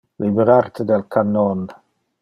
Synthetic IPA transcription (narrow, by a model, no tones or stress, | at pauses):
libəɾartʰədɛlkʰanɔn